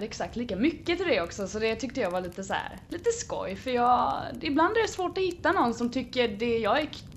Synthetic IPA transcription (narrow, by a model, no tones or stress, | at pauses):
ɾɛksak̚t̪liːkamʏkːət̪ʰɪld̪ɛɔksɔsɔd̪ɛt̪ʰʏkt̪əjɑːvaɭiːt̪əsɔhæ̰ːɾliːt̪əskɔ̰jfœɾjɑːɪbland̪æɾjasvoːʈɔhɪt̪ːanɔnːsɔmt̪ʰʏkːəd̪ɛjɑːɡɛ